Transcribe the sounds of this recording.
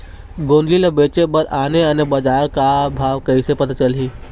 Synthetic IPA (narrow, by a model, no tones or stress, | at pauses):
ɡõːnd̪lilebeːt͡ʃebəɾaːneɐnebad͡ʒaːɾkabʱaːʋkəisepɐt̪at͡ʃəliː